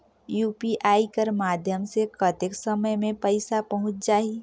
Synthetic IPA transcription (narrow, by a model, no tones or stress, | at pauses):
juːpiʔaːikəɾmaːd̪ʱjəmsekət̪ɪksəməjmẽpəɪsapəɦʊ̃t͡ʃd͡ʒaːi